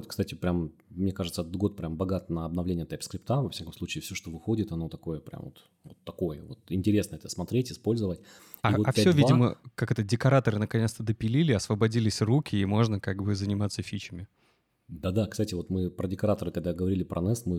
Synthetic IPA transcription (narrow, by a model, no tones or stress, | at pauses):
t̪kst̪atʲɪpɾʲammnʲe̞kaʐɨt̪səɛt̪ət̪ɡo̞t̪̚pɾʲambɐɡat̪nəɐb̚nɐvlʲenʲɪət̪apskɾʲɪpt̪avɐfsʲakəmslˠut͡ɕɪːfsʲoʂt̪o̞vɨxo̞dʲɪt̪ɐno̞t̪ɐko̞jəpɾʲʔa̰mvot̪ | vot̪ːɐko̞jəvo̰t̪ɪnʲtʲɪɾʲe̞snəɛt̪əsmɐt̪ɾʲetʲɪspo̞lʲzəvətʲ | aivoafʲpʲsʲovʲidɪmə̰kakɛt̪ədʲɪkɐɾat̪əɾɨnəkɐnʲet̪st̪əd̪əpʲɪlʲilʲɪɐsvəbɐdʲilʲɪsʲrukʲɪːmo̞ʐnəkaɡbɨzənʲɪmat̪səfʲit͡ɕɪmʲɪ | d̪ad̪akst̪atʲɪvo̞t̪mɨpɾədʲɪkɐɾat̪əɾɨkɐɡ̚d̪aɡəvɐɾʲilʲɪpɾʔɐ̰nɛsmɨ